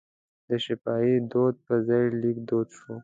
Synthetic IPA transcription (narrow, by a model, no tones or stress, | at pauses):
d̪̥əʃɪpɑid̪od̪̚pəzajlikd̪od̪ʃo